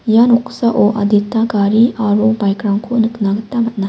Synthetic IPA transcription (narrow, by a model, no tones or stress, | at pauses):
janoksaʔoʔɐ̰ditːaɡaɾiaɾobajkɾaŋkʰonɯknaɡɐtːamɐt̚na